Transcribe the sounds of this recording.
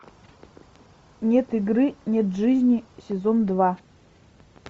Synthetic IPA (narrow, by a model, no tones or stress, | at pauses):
nʲe̞t̪ɨɡrɨnʲet̪ʐɨzʲnʲisʲezond̪va